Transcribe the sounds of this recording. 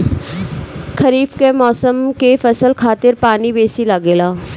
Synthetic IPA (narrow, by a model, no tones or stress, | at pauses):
kʰɐɾiːfkemɔːsəmkefɐsəlkʰaːt̪ɪɾpaːnibeːsilaɡeːlaː